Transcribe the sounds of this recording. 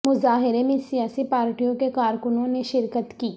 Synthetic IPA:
mʊzaːɦɪɾemẽsijaːsipaːɾʈijõkekaːɾkʊnõneʃɪɾkət̪kiː

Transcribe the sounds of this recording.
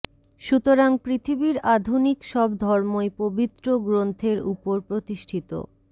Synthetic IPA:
ʃut̪oɾaŋpɾit̪ʰibiɾad̪ʱunikʃɔbd̪ʱɔɾmoepobit̪ːɾoɡɾont̪ʰeɾupoɾpɾot̪iʃʈʰit̪o̰

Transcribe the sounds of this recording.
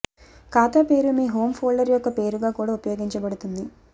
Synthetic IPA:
kaːt̪aːpe̞ːɾumiːɦoːmpʰoːɭɖɐɾjɔkːɐpe̞ːɾuɡaːkuːɽaːupɐjo̞ːɡiɲt͡ʃɐbɐɽut̪und̪i

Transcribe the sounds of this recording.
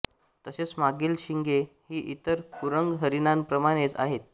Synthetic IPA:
t̪əɕet͡smaɡiːlɕiŋɡehiːʔit̪əɾkuɾəŋɡɦəɾinanpɾəmaɽ̃et͡sa̰ɦet̪̚

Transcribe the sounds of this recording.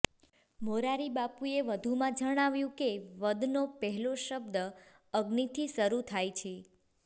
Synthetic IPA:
moɾaɾibapueʋəd̪ʱumãd͡ʒəɽ̃aʋjũkeʋəd̪nopəɦɛloʃəb̚d̪ə | əɡnit̪ʰiʃəɾut̪ʰajt͡ʃʰe

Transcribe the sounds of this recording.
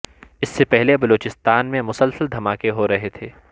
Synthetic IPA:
ɪsːepɛɦlebɐloːt͡ʃɪst̪aːnmẽmʊsəlsəld̪ʱɐmaːkeɦoɾɐɦet̪ʰeː

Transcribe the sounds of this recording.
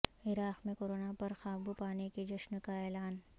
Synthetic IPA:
ɪɾaːxmẽkoːɾoːnapɐɾxaːbupaːneked͡ʒɐʃnkaɛːlaːn

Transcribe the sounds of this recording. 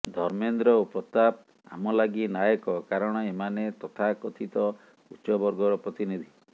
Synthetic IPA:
d̪ʱɔɾmend̪ɾɔopɾɔt̪ap̚ | a̰mɔlaɡinajɔkɔkaɾɔɽ̃ɔemanet̪ɔt̪ʰakɔt̪ʰit̪ɔ | utːʃɔbɔɾɡɔɾɔpɾɔt̪inid̪ʱi

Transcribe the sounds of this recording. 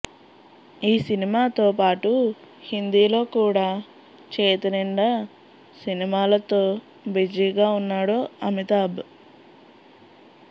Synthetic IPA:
iːsinimaːt̪o̞ːpaːʈu | hind̪iːlo̞ːkuːɽaː | t͡ʃeːt̪ɐnɛɳɖɐ | sinimaːlɐt̪o̞ː | bid͡ʒiːɡaːunːaːɽoːɐmit̪aːb

